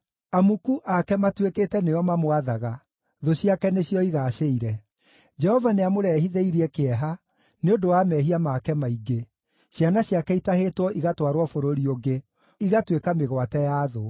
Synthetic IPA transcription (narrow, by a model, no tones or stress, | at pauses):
amukuʔakɛmatwekeːtɛneɔmamoaðaɣa | ðoɕjakɛneɕjɔiɣaɕeiɾɛ | d͡ʒɛhɔvaneamoɾɛhiðeiɾiɛkeɛɦa | neodowamɛɦiamakɛmaiɡe | ɕjanaɕjakɛitahetwɔʔiɣatwaɾwɔfoɾoɾioɡe | iɣatwekameɣwatɛjaːðo